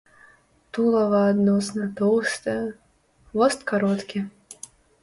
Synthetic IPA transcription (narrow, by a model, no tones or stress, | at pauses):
t̪ulˠɐvɐːd̪nɔsnɐt̪ɔwst̪ɛ | vɔst̪kaɾɔt̪kʲi